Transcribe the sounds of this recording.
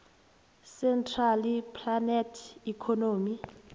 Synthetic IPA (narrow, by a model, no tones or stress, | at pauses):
sɛntʰʼralipʰlanɛtʰikʰɔnoːmi